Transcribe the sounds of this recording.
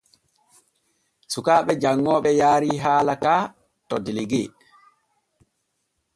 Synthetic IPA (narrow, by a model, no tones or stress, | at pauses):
sukaːɓɛd͡ʒaŋːɔːɓɛjaːɾiːɦaːlakaː | tɔdiliɡḛː